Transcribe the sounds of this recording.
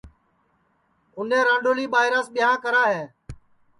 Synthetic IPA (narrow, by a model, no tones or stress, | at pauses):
kʊnẽːɾãːɖoːliːɓaːɪɾãːsɓɪɦãːkəɾaːɦeː